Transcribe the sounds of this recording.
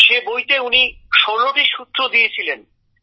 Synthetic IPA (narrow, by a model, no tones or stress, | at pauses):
ʃebojt̪euniʃɔɾloʈiʃut̪ːɾod̪ijet͡ɕʰilen